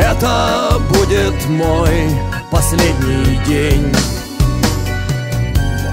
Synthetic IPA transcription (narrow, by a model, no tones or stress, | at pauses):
ɛt̪əbudʲɪt̪moj | pɐsʲlʲedʲnʲijdʲenʲ